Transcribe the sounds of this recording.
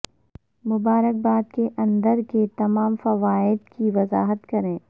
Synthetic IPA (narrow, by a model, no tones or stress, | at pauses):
mʊbaːɾək̚baːd̪keʔɐ̃nd̪əɾket̪ɐmaːmfɐʋaːɪd̪̚kiʋɐza̰ːɦət̪kɐɾẽː